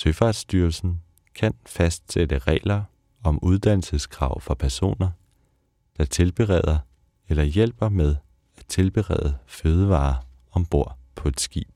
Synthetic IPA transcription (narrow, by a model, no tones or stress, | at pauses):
søfɑ̈d̥sd̥yːɐlsn̩ | kʰænfæsd̥sed̥əʁɛ̰ːlɐ | ɒ̽muð̞ˠd̥æn̰l̩səskʰʁɑ̈ʊ̰fɑ̈pʰæɐso̝̰ːnɐ | d̥ɑ̈t͡sʰe̝lb̥e̝ʁɛ̰ð̞ˠɐ | elɐjel̰b̥ɐmeð̞ˠ | æ̥t͡sʰe̝lb̥e̝ʁɛ̰ːðˠəføːð̞ˠəʋɑ̈ː | ɒ̽mb̥o̝ɐ̰pʰɒ̽e̝d̥sɡ̥ḭːb̥